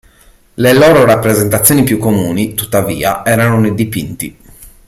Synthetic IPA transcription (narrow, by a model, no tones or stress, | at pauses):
leloːɾoɾapːɾezent̪at̪sːjoːnipjukːomuːnit̪u̥t̪ːavḭːaɛːɾanoned̪ipint̪ḭ